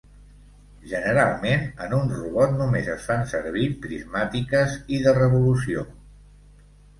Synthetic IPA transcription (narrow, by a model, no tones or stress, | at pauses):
ʒənəɾalˠmenənunruβɔt̪numezəsfansəɾβ̞ipɾizmat̪ikəziðərəβulus̬io